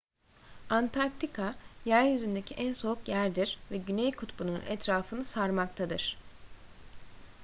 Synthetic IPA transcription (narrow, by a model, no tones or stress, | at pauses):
ant̪ʰaɾk̚t̪ʰikʰajæɾjyzynd̪ecʰiʔænso̞ukjæɾd̪iɾvɛɟynejkʰut̪bunuṵnʔɛt̪ɾaːfɯnɯsaɾmak̚t̪ʰad̪ɯɾ̥